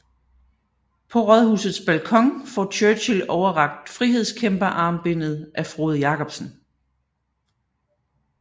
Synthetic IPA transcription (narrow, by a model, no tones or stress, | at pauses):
pʰɒ̽ʁœðˠhṵːsð̩ˠsb̥ælkʰɒ̽ŋ̰fɒt͡ɕʰøɕilɒʊɐʁɑ̈ɡ̥̚d̥fʁiɦe̝ð̞̰ˠskʰemb̥ɐʔɑ̈ːmb̥e̝n̰ð̩ˠʔæfʁo̝ːð̞ˠjɑ̈ːkʰɒ̽b̥sən̩